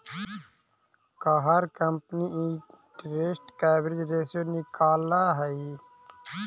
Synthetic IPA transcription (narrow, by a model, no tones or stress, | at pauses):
kaɦɐɾkɐmpniiʈɾesʈkɛːbɾiɾeːsonikaːlaːɦɐi